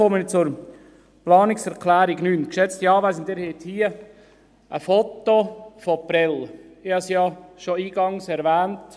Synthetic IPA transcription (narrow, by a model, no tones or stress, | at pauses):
omənit͡sʊɾ | plɑːnɪksɛɾklæːɾiɡnyːnkʃɛt͡stjɑːʋæsənt̪ɪːɾhet̪hiːə | ʔə̰fɔt̪ːofopɾɛl | ɪhɑsijɑʃoiːɡ̥ɑŋsɛɾʋæːnt